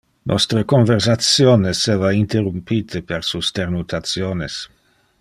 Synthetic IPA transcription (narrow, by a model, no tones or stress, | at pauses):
nʔɔ̰st̪ɾəkoɱversat̪sjoːnesevaint̪erumpit̪ʰepeɾsust̪ernut̪ʰat̪sjoːnes